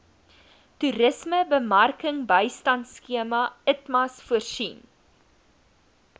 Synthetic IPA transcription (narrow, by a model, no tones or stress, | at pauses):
tuɾəsməbəmɐrkəŋbəjstɐntskiəmɐətmɐsfuərsin